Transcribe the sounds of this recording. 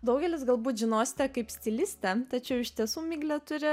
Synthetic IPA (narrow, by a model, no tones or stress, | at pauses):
d̪ɐʊɡʲɛlʲɪsɡɐlˠbuːt̪ʒʲɪnoːsʲɪ̥t̪ʲɛkɐɪpsʲt̪ʲɪlʲɪsʲt̪ʲɛt̪ɐt͡ʃʲɛʊɪʃʲt̪ʲiɛsuːmʲɪːɡlʲɛt̪ʊɾʲɪ